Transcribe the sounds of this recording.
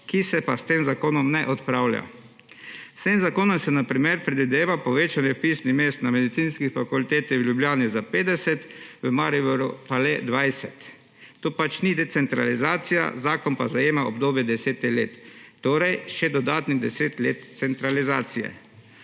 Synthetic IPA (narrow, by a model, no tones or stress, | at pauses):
kisɛpast̪eːmzakoːnɔmnɛʔɔt̪pɾawla̰j̰ | st̪eːmzakoːnɔmsɛnapɾimeɾpɾɛd̪ʋid̪eːʋapɔʋeːt͡ʃanjɛpiːsnixmeːst̪namɛd̪it̪sinskixfakult̪eːt̪ɛwljubljaːnizapeːd̪ɛsɛt̪ʋəmaːɾibɛɾupalɛd̪ʋajsɛt̪ː | oːpat͡ʃnid̪ɛt̪sɛnt̪ɾa̰lizaːt̪sija̰zaːkɔnpazajeːmaɔbd̪oːbjɛd̪ɛseːt̪ixleːt̪ːoːɾɛjʃɛd̪ɔd̪aːt̪niɣd̪ɛseːt̪leːt̪sɛnt̪ɾalizaːt̪sijɛ̰